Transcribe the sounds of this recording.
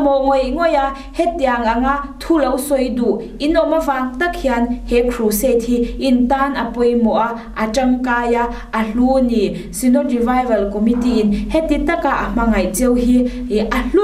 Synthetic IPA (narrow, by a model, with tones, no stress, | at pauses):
mɔ˨ŋɔ˨jŋɔ˨ja˧˨ʔ | hɛ˦t̪̚ːi˨a˨ŋa˨ŋa˦˨t̪ʰu˦lɐ˧˦wsɔ˧˨jdu˨ʔ | ʔi˦nɔ˨ma˦vaː˧ŋt̪ɐ˦k̚hi˨a˧nhɛ˨kʰɾu˨sɛ˦˨t̪̚ʰi˧ʔi˨nt̪aː˦nɐ˨pɔ˧˨jmɔ˨ʔa˧˨ʔ | a˨ʈ͡ʂɐ˧ŋkaː˧ja˧˨ʔ | ɐ˨ɬu˦ni˨ | si˧nɔ˦tɾi˨va˧jvɐ˨lkɔ˨mi˦t̪i˦i˨nhɛ˦t̪̚ːi˧t̪ɐ˦ka˨ʔa˨m̥a˧ŋa˨jt͡si˦wɦi˦i˨ʔa˨ɬu˦